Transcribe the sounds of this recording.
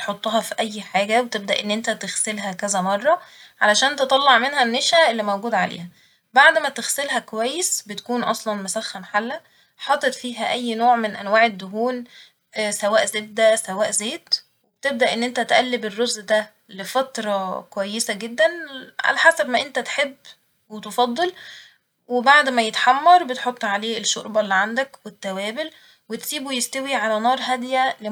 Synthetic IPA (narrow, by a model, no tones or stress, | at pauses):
t̪ħot̪ˤːɑɦɑfiʔæjːħaːɡæwet̪eb̚d̪æʔenːʔent̪æt̪eɣselɦækæzæmɑrˤːɑʕalæʃæːnt̪et̪ˤɑlːɑʕmenhænːeʃæʔelːimæwɡuːd̪ʕalḛːhæ | baʕd̪mæt̪eɣselɦækowæjːesbet̪æ̥kuːnʔɑ̰sˤlɑnmæsæxːæmħalːæ | ħɑt̪ˤet̪ˤfiːɦæʔæjːnoːʕmenʔæ̰nwaːʕed̪ːʊɦuːn | sæwæːʔzeːt̪̚d̪æsæwæːʔzeːt̪ | web̚t̪eb̚d̪æʔenːʔent̪æt̪ʔælːeberːozʔd̪æ | lefɑt̪ɾˤɑkowæjːesæɡed̪ːænʕa̰læħasæbmæʔent̪æt̪ħebː | wet̪efɑd̪ˤːel | webaʕd̪mæjet̪ħɑmːɑɾˤbet̪ħot̪ˤːʕaleːʔeʃːo̰ɾbɑlːiʕand̪ækwet̪ːæwæːbel | wet̪siːbujest̪æwiʕalænɑːɾˤɦæd̪jæle